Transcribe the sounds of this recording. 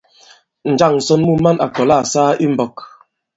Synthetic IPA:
n̩˨d͡ʒa˦˨ŋn̩˨sɔ˦nmu˦ma˦na̰˨kɔ˨la˦˨saː˦ʔi˦m̩˦bɔ˨k̚

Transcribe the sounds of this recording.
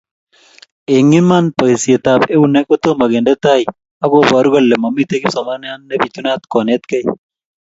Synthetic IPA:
e˨ŋːi˦ma˦npɐ˨jse˨t̪aː˨be˦wu˦ne˦kʼɔ˦t̪ːo˦mɐ˨ɡe˨ndɐ˦t̪ːaː˦˨j | ɐ˦ɡo˦˨ba˨ɾu˦ɡɐ˦˨lːɛ˨mɐ˨mːi˦t̪e˦ki˦so˨ma˦n˦a˦nːɐ˦bi˨t̪ːu˦naː˦t̪ko˨ne˦t̪kɐ˦j

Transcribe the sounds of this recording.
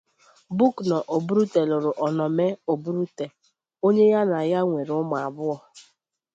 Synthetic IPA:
bu˦knɔ˨ʔo˨bu˦ɾu˦te˨lʊ˨ɾʊ˨ʔɔ˨nɔ˨me˦o˨bu˦ɾu˦te˨ | o˦ɲe˦ja˦na˨ja˦ŋʷe˨ɾʊ˦mʊ˨a˨bʊ˦ɔ˦

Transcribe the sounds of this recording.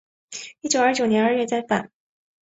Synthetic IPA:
i˥˩t͡ɕjo˨˩ʊɐ˞˥t͡ɕjo˨˩njɛ˧˥nə˞˥˧ɥɛ˥˧t͡sa˥˩ɪfa̰˨˩˦n

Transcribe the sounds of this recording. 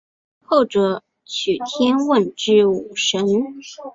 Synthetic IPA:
xo˥˩ʊʈ͡ʂɤ˧˩ | t͡ɕʰy˨˩t̪ʰjɛ˥nwə˥˧nʈ͡ʂɻ̩˥˩u˨˩ʂə˧˥n

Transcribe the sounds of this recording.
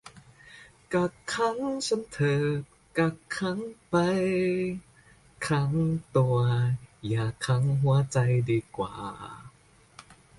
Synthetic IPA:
ka˧˩kkʰːa˧˥ŋsa˧˥mt̪ʰɤː˧˩p̚ka˧a˧˥ŋpa˧j | kʰa˧˥ŋt̪u˧˩ɐjaː˨˩kʰa˧˦˥ŋɦu˧˦ɐt͡sa˧jdiː˧˩kwa̰ː˨˩

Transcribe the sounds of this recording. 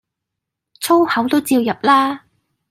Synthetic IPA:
t͡sʰo˥whɐ˨˥wt̪o˥wt͡siː˧wjɐ˨p̚laː˥

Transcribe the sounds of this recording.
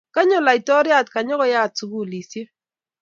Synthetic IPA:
ka˦ɲɔ˦la˨i˨tɔ˦ɾja˦˨t̚ka˨ɲɔ˦kɔ˦ja˦tsu˨ɡu˦˨li˨sje˦

